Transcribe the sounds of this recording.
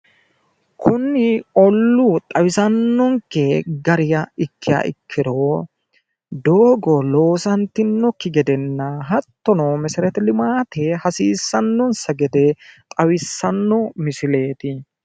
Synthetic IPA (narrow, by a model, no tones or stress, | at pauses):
kʰʊnːɪɔlːut̪ʼɐwɪsɐnːɔŋkeɡɐɾɪjɐɪkːɪjɐ̰ʔɪ̰kʰːɪɾoː | d̪oːɡɔlo̞ːsɐnt̪ːɪnːɔkːɪɡɛd̪ɛnːɐɦɐt̪ːɔnoːmɛsɪɾɛt̪ɛlɪmaːt̪eːhɐsiːsːɐnːɔnsɐɡɛd̪et̪ʼɐwɪsːɐnːɔmɪsɪle̞ːt̪ɪ